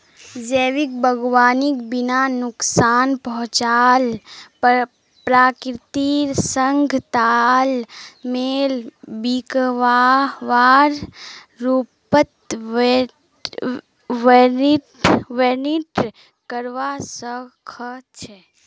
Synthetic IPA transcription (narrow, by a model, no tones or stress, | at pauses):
d͡ʒeːʋik̚bʱəɡʋaːnikbinanʊksaːnpəɦʊ̃t͡ʃaːl | pɾaːkɾɪt̪isəŋɡʱt̪almelbikʋaʋaːɾ | ɾupət̪ | ʋeniʈʋeniʈ | kəɾʋasəkʰət͡ʃʰɛ